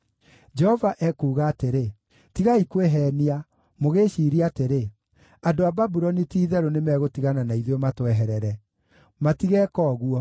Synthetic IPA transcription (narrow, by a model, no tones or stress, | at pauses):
d͡ʒɛhɔvaʔɛkuːɣaːteɾe | tiɣaikweɦɛnia | moɣeʃiːɾiateɾe | andoababuɾɔnitiːðɛɾonemɛɣotiɣananaiðematwɛɦɛɾɛɾɛ | matiɣɛːkɔːɣuɔ